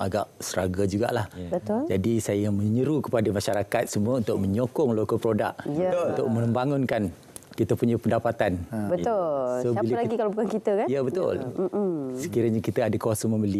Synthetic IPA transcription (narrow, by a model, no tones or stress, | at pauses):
ʔa̰ɡa̰ʔsəɾaɡad͡ʒuɡa̰ʔlahbət̪ʊld͡ʒadisajamə̃ɲəɾukəpadamaʃaɾakat̪̚səmuaunt̪ʊʔ̚mə̃ɲokɔŋlokopɾoda̰ʔ̚junt̪ʊʔ̚mə̃nəmbaŋʊnkan | kit̪apuɲapəndapat̪anbət̪ʊlsobiləklaɡikalabukankit̪əkanjəbət̪ʊ̰l̩ | sə̥kiɾəɲakit̪aadakawasanmə̃məli